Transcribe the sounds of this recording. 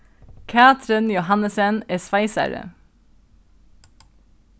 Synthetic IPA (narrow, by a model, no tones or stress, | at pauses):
kʰæːt̪ʰɾənjʊhɑnəsənɛsʋɑɪsæ̰ɾə̰